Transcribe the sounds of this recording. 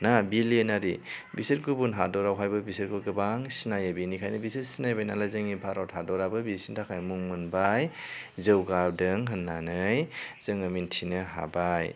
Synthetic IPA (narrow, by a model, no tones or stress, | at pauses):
nabilenaɾibiset̚ɡubunɦadɔɾawɦajbɯbiset̚kɔɡɯbaŋsinajabinikʰajnɯbiset̚sinajbajnalazɯŋipʰaɾɔthadɔɾabɯbisintʰakʰajmuŋmunbajzɯwɡawdɯŋɦɯnːanɯjz̥ɯŋɯmintʰinɯɦa̰baj